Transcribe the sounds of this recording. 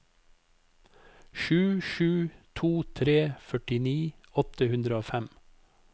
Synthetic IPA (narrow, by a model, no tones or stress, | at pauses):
ʃʉːʃʉːt̪ʰuːt̪ʰɾeːfœʈɪniː | ɔt̪əhʉnd̪ɾəoːfæm